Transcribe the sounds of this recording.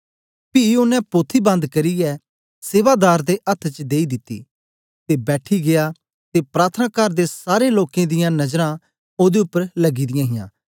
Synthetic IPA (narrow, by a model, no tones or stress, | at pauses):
piʊnɛ̃poːt̪ʰːibɐ̃nd̪kɐɾiɛ | seːʋad̪aːɾd̪eʔɐt̪ʰt͡ʃd̪eːid̪ɪt̪ːḭː | t̪ebɛːʈʰiɡeja | t̪epɾaːt̪ʰənaːkəɾd̪esaːɾeloːkẽd̪ɪjãnɐd͡ʒɾã | oːd̪eʊpːəɾlɐɡid̪ɪjãːɦɪjãː